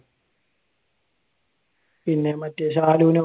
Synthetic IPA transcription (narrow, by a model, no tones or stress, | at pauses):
pinːemɐt̪ːjesaːluːne